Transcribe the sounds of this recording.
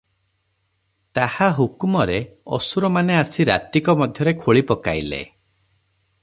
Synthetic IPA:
t̪ahaɦukumɔɾeɔ̰suɾɔmaneasiɾa̰t̪ikɔmɔd̪ʱjɔɾekʰoɭipɔkajlḛ

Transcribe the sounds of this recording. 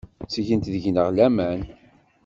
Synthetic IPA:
sʝənt̪ðəʝnəʁlæmæn

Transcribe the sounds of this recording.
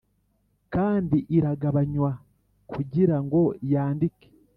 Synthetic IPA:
kaːndiʔiɾaɡaβaɲwa | kʰuɟiɾaŋɡo̞jaːndike̥

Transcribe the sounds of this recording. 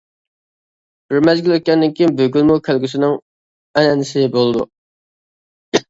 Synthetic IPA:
ɾɪmɛzɡʲiløt̪̚kʲɛnd̪ɪŋkʲimbøɡʲylˠmukʲʰælɡʲysɪnɪŋ | ɛnɛnɪsɪbolˠɨd̪ṵ

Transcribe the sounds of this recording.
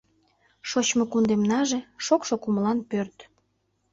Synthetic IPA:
ʃot͡ɕmokund̪emnɑʒeʃokʃokuməlɑnpørt̪

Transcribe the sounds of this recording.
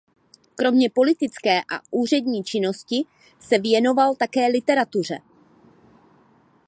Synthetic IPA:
kɾo̞mɲɛpo̞lɪt̪ɪt͡skɛːʔa̰ʔuːr̝ɛdɲiːt͡ʃɪno̞scɪ | sɛvjɛno̞valt̪akɛːlɪt̪ɛɾat̪ur̝ɛ̰

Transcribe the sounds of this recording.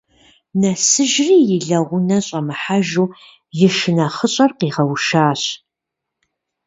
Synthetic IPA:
nɐsɨʒriːjɪɮɐʁʷʊnɐɕʼɐmɨħaʒuː | jɪʃɪnɐχəɕʼɐrqiːʁɐwʃaːɕ

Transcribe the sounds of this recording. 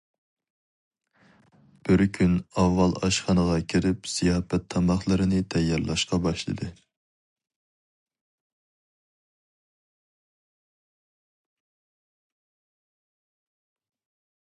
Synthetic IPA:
b̥ɪɾkʲʰynɑvːɑlˠɑ̰ʃχɑnəʁɑkʲʰiɾɪpz̥ijɑːfɛt̪ʰːɑmɑχlˠɨɾɨnɨt̪ʰɛjːɑɾlˠɑʃqɑbɑʃlˠɨ̰d̪ɨ

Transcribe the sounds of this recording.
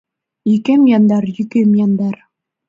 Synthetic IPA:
ikɘmjɑnd̪ɑɾjɵ̆kɘmjɑnd̪ɑɾ

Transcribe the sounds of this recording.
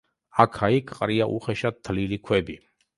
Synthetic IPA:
akʰaikʰʼqʼɾiaʔuχɛʃat̪t̪ʰːlilikʰwɛbi

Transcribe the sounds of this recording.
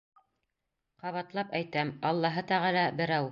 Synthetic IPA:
qɑβɑt̪lˠɑpæjt̪æmɑlˠːɑɦɤt̪æʁɑlˠɑbɘ̆ɾæw

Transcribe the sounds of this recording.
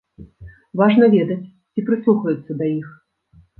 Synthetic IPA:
vaʐnɐvʲɛd̪ɐt͡sʲ | t͡sʲipɾɨslˠuxɐjut̪sːɐd̪ɐix

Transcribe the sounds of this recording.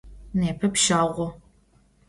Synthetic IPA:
neːpʰɐpʃaːʁʷɔ

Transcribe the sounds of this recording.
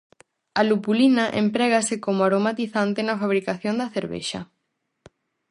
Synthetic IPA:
ɐlupulinɐʔḛmpɾɛɣasɪkomʊaɾomat̪iθant̪enɐfaβ̞ɾikaθjond̪ɐθeɾβḛʃɐ̰

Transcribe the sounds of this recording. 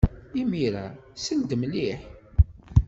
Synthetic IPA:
imiɾæ̰sənd̪əmliħ

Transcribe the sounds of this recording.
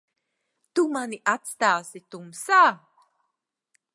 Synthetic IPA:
t̪umaniʔat̪st̪aːsit̪umsaː

